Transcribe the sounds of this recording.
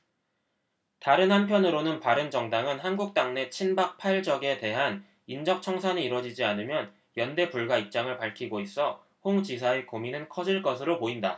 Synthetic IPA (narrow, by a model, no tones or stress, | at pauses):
taɾɯnhanpʰjʌnɯɾonɯnpaɾɯnd͡ʑʌŋdaŋɯnɦanɡuk̚t͈aŋne̞t͡ɕʰinbak̚pʰaiɭd͡ʑʌɡe̞te̞ɦan | ind͡ʑʌk̚t͡ɕʰʌŋsʰaniiɾwʌd͡ʑid͡ʑianɯmjʌn | jʌnde̞puɭɡwaip̚t͡ɕ͈aŋɯɭpaɭkʰiɡois͈ʌ | hoŋd͡ʑis̬ʰaekominɯnkʰʌd͡ʑiɭk͈ʌsʰɯɾopoinda̰